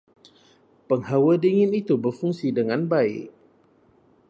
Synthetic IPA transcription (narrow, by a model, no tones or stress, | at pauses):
pəŋhawədiŋɪnit̪ubərfuŋsidəŋanbaɪ̰ʔ̚